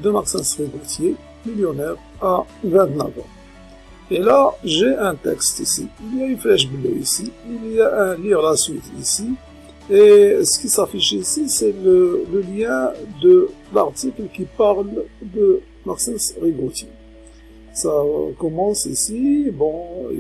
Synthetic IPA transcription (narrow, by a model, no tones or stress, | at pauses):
d̪əmaʁsɛ̃sʁiɡʁut̪ʰje | miljonɛʁ | a | vɛ̃t̪na̰vɑ̰̃ | elaʒeʔɛ̃t̪ɛ̰kst̪isḭiljaynflɛʃ̬bloisiilijaʔɛ̃livʁlasɥit̪ḭsi | esə̥kisafiʃisisɛlələljɛ̃d̪əlaʁt̪iklkipaʁld̪ə | maʁsɛ̃sʁibʁut̪je | sakɔmɑ̃sḭsibɔ̰̃